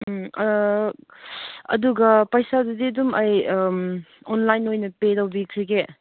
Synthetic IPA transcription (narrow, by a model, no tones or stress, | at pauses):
ɐ̰duɡɐpɐjsadudiɐdumɐj | onlajnojnɐpedawbikʰiɡe